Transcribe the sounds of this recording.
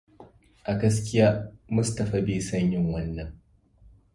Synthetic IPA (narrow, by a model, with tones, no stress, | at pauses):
ʔa˨ɡɐ˦s̬kʲɪ˦jaː˦mʊ˦stɐ˨ɸaː˨˦beː˨sɐ˦˨ɲjɪ˦ŋwɐ˦nːɐ˨ŋ